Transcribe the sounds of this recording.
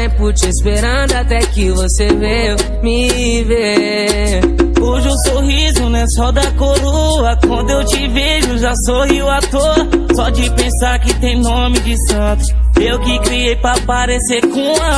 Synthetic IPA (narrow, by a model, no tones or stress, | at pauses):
ɛput͡ʃespeɾɐ̃d̪ʊat̪ɛkɪvoseve | mɪ | ve | kuʒʊsoɦizʊnɛsɔd̪ɐkoɾu | ɐkwɐ̃nd̪ʊewd͡ʒɪviʒʊʒasohiʊat̪oɾsɔd͡ʒɪpẽsaɾkɪt̪ẽj̃nõmɪd͡ʒɪsɐ̃t̪ʊsewkɪkɾiejpɾapaɾesekõɐ